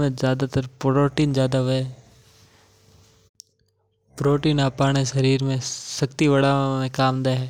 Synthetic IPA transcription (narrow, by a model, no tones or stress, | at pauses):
mẽzjaːd̪at̪əɾpɾoːʈiːnzjaːd̪aɦʊeː | pɾoːʈiːnaːpaːɽ̃eʃəɾiːɾmẽsəkt̪iʋəɽaːmẽkaːmd̪aːɦɛː